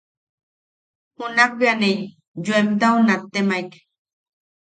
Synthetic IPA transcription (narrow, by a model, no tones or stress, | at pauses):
hunak̚bjanej | juemt̪aunat̪ːemajk